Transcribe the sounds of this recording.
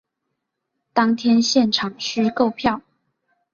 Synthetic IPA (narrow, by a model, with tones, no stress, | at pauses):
t̪ɑ˥ŋt̪ʰjɛ˥nɕjɛ˥˩nʈ͡ʂʰɑ˨˩ŋʂɻ̩˥˧ko˥˧ʊpʰjɑ˥˨˩ʊ